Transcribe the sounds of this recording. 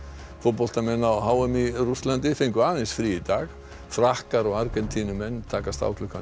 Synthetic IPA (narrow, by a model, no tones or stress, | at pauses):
fʊt̚pɔl̥t̪amɛnːawɦaːwɛmiɾust̪lant̪ɪfeŋkʏaːnɪsfɾiɪt̪aɣ | fɾahkaɾɔɣaɾkɛnt̪ʰinʏmɛnːt̪ʰaːkast̪a̰wkʰlʏkːa